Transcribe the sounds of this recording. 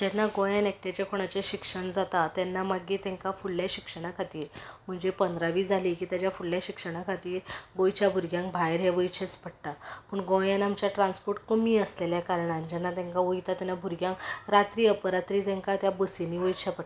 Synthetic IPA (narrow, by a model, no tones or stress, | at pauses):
d͡ʑɛnːaɡõjãnek̚ʈjat͡ɕjakʰoɽ̃at͡ɕeɕikʂəɳd͡zat̪at̪jɛnːamaɡit̪ɛ̃ŋkafulːjaɕikʂəɽ̃akʰat̪iːɾm̤əɳd͡zepənd̪ɾaʋiːd͡zʱaliːkiːt̪jat͡ɕjafulljaɕikʂəɽ̃akʰat̪iːɾɡõjt͡ɕjabʱuɾɡjãŋkbʱajɾɦeʋəjt͡ɕʰet͡spəɽt̪apəɳɡõjãnamt͡ɕjaʈɾãnspoɾʈkəmiːəsleljakaɾɳãnd͡ʑɛnːat̪ɛ̃ŋkaʋojt̪at̪anːabʱuɾɡjãŋkɾat̪ɾiːəpəɾat̪ɾiːt̪ɛ̃ŋkat̪jabəsiniʋəjt͡ɕʰapəʈa